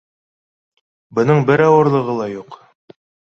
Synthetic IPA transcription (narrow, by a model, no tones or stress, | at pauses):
bɤ̆nɤɴbɘɾɑwɤ̆ɾlˠɤ̆ʁɤlˠɑjuq